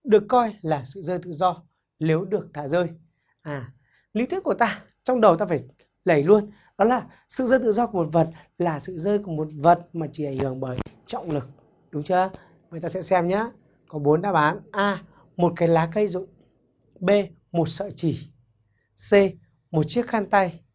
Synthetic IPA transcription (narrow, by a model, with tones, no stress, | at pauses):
ɗɨ˨˩əkːɔ˧jlaː˨˩sɨ̰˧˨zəː˧jt̪ɨ̰˧˨zɔ˧ | le˨˦wɗɨ˨˩ək̚t̪ʰaː˧˩zəː˧j | ʔaː˨˩ | li˧˥t̪i˦˥kːu˧˩ət̪aː˧ | t͡ɕɔ˧wŋ͡mɗə˨˩wt̪aː˧faː˧˩j | lə˧˩jlu˧ən | ɗɔ˨˦laː˨˩ | sɨ̰˧˨zəː˧jt̪ɨ̰˧˨zɔ˧ku˧˩ə˨mo˨˩t̚və˨˩t̚ | laː˨˩sɨ̰˧˨zəː˧jku˧˩əmo˨˩t̚və˨˩t̚maː˨˩t͡ɕi˧˩ʔa˧˩jŋhɨ˧˩əŋɓəː˧˩j | t͡ɕɔ̰˧˨wŋ͡mlɨ˨˩k̚ | ɗʊ˨˦ŋ͡mt͡ɕɨ˧˦ | ŋə˨˩jt̪aː˧ɛ̰˧˥sɛ˧mɲaː˨˦ | kɔ˨˦ɓo˨˦nɗaː˧ɓaː˨˦nʔaː˧ | mo˨˩t̚kaː˨˦jlaː˨˦kə˧jzʊ̰˧˨ŋ͡m | ɓe˧ | mo˨˩t̚sə̰ː˧˨t͡ɕi˧˩ | se˧ | mo˨˩t̚t͡ɕi˦˥ək̚xaː˧nt̪a˧j